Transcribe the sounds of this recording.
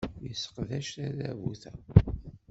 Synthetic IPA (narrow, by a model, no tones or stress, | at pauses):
jəsːə̥qðæʃæɾævuθæ